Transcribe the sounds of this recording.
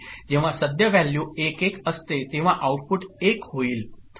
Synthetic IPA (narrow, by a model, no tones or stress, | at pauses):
d͡ʒeʋãsəd̪jəʋɛljuekekəst̪et̪eʋãʔauʈ̚puʈekɦoil